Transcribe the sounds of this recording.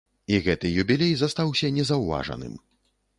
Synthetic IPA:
iɣɛt̪ɨjubʲilʲejzɐst̪awsʲɐnʲɛzɐwva̰ʐɐ̰nɨ̰m

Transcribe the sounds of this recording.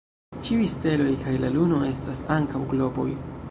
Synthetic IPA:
t͡ʃiujste̞lo̞jkʰajlaluno̞e̞stasaŋkawɡlo̞bo̞̰j

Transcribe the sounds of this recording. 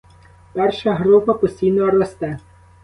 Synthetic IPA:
pɛrʃɐɦɾupɐpɔsʲtʲijnɔɐɾɔst̪ɛ

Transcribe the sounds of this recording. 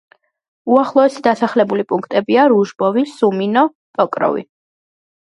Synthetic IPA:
uaχlˠɔɛsid̪asaχlɛbulipʼuŋkʰt̪ʼɛbiaɾuʒbɔvisuminɔ | t̪ʼɔkʼɾɔ̰vḭ

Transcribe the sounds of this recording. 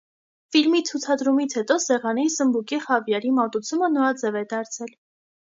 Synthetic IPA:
filmit͡sʰut͡sʰɑd̪ɾumit͡sʰhɛt̪ɔsɛʁɑnisəmbukiχɑvjɑɾimɑt̪ut͡sʰumənɔɾɑd͡zɛvɛd̪ɑɾt͡sʰɛl

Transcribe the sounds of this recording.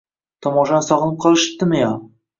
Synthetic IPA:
t̪ʰɒmɒʃɑnsɒʁənəp̚qʰɒlˠɪʃɪ̥p̚t̪ːɪmɪjɑ

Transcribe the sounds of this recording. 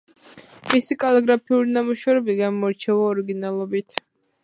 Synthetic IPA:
misikʼalɛɡɾapʰiuɾinamuʃavɾɛbiɡamɔɾt͡ʃʰɛvaɔɾiɡinalˠɔbit̪ʰ

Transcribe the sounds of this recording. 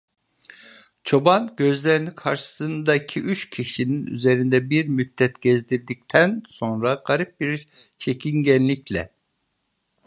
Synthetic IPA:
t͡ʃʰo̞banɟø̞zlʲeɾinikʰaɾʃɯ̥sɯnd̪aicʰiʔyt͡ʃcʰiʃininy̰zeɾind̪ɛbiɾmyd̪ːɛt̪ɟ̥ɛzd̪iɾd̪ic̚t̪ʰænso̞nɾaɡ̥aɾip̚biɾ | t͡ʃʰecʰinɟɛnlːʲiclʲɛ

